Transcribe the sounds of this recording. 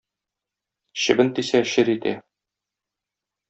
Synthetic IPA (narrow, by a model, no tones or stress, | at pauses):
ɕɘ̆bɘnt̪isæɕɘɾit̪æ̰